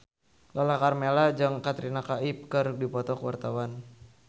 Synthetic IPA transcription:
lɔlakarmelad͡ʒɨŋkat̪ɾinakaip̚kɨrdipɔt̪ɔkəwa̰rt̪awan

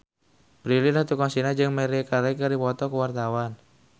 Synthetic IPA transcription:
bɾililaht̪ukɔŋsinad͡ʒɨŋmɛɾikaɾekəɾipɔt̪ɔkəwart̪awan

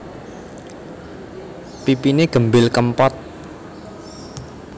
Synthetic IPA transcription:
pipineɡ̥ə̤mbɪlkəmpɔt̪̚

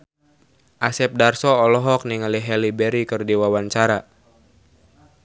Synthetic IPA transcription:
ʔasɛp̚darsɔɔlɔɦɔk̚niŋaliɦɛlibɛɾikɨrdiwawaɲt͡ʃaɾa

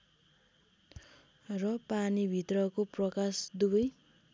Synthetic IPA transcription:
rʌpanibʱit̪rʌkoprʌkasd̪ubʌj

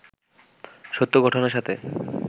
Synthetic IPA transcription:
ʃot̪ːoɡɔʈʰoneɾʃat̪ʰe

